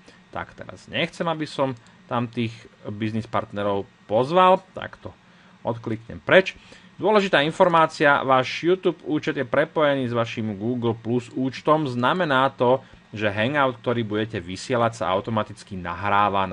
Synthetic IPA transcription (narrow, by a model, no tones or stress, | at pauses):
t̪a̰kt̪ɛ̰ɾa̰z̥ɲɛxt͡sɛmabisɔm | t̪amt̪iːxbiznispaɾt̪nɛɾɔʊpɔzʋalt̪a̰kt̪ɔ | ɔt̪klikɲɛ̰mpɾɛt͡ʃ | d̪ʊɔlɛʒit̪aːinfɔɾmaːt͡sia̰ʋaːʒjuːt̪uːbuːt͡ʃɛd̪jɛpɾɛpɔjɛniːzʋaʃimɡuːɡl̩pluzuːt͡ʃt̪ɔmznamɛnaːt̪ɔ | ʒɛɦɛŋɡaʊt̪k̚t̪ɔɾiːbuɟɛcɛʋisɪɛlacsa̰a̰ʊt̪ɔmat̪it͡skina̰ɦɾaːʋan